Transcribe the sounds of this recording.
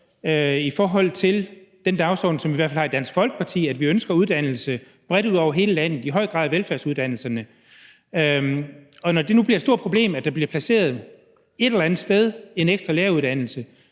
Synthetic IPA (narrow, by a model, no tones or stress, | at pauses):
øifɒːɦɒ̽l̰t͡sʰe̝ld̥end̥ɑ̈ʊsɒ̰ːd̥n̩sɒ̽mʋiʋæɐfælhɑ̈id̥æn̰sɡ̥fɒ̽lɡ̥ə̥pʰɑ̈t͡sʰḭːæd̥ʋiønsɡ̥ɐuðˠd̥æn̰l̩sə | b̥ʁɛɾ̥uðˠɒʊ̰ɐɦe̝ːləlæn̰ð̩ˠiɦɒ̽ɪ̰ɡ̥ʁɑ̈ðˠʋelfæɐsuðˠd̥æn̰l̩sɐnə | ɒ̽nɒd̥e̝nub̥liɐed̥sdo̝ɐ̰̥pʰʁo̝b̥le̝̰ːmæd̥ɑ̈b̥liɐpʰlæse̝̰ːɐð̞ˠ | e̝ɾ̥elɐænð̩ˠsd̥eð̞ˠe̝neɡ̥sd̥ʁɑleːɐuð̞ˠd̥æn̰l̩sə